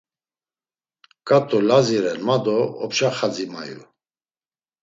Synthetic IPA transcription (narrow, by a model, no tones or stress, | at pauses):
kʼat̪ʼɔlaziɾɛnmad̪ɔɔpʃaχad͡zima̰jṵ